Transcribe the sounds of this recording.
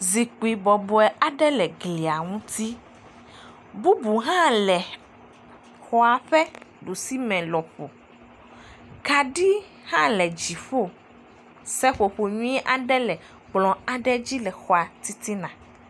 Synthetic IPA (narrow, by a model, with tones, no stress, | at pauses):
zi˨k͡pi˨bɔ˨bɔ˨ɛ˨a˨ɖɛ˦lɛ˨ɡli˨a˨ŋũ˦t̪i˦ | bu˦bu˨ɦã˦lɛ˨ | xɔ˦a˨ɸɛ˦ɖu˨si˦mɛ̃˨lɔ˨ɸo˨ | ka˨ɖi˦ | hã˦lɛ˨d͡ʑi˨ɸo˦ | sɛ˦ɸo˨ɸo˨ɲũ˦ɛ˦ʔa˨ɖɛ˦lɛ˨ | k͡plɔ̃˨a˨ɖɛ˦d͡ʑi˦lɛ˨xɔ˨a˨t̪i˦t̪i˦nã˨